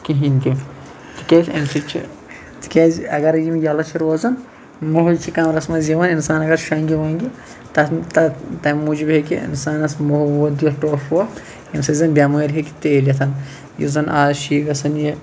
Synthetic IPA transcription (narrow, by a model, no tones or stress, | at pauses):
kiɦink̪i | t̪i̥kʲeːsɐnsɐt͡ʃʰḭ | t̪i̥kʲeːzɐɡɐɾɐjimjaːlɐt͡ʃʰiɾoːzɐn | muɦut͡ʃʰikaːmɾɐsmɐziʋɐninsaːnɐɡɐɾʃɐːŋɡʲiʋaːŋɡi | t̪ɐt̪ɐt̪ɐmuːd͡ʒibɦekiḭnsaːnɐsmuɦɐwɐd̪jiʈoːfo | ɐmsɐzɐnbʲjaːmɐɐɾʲɦeki̥t̪eːlɐt̪ʰɐn | jḭzɐnʔaːzʃiːɡɐsɐnji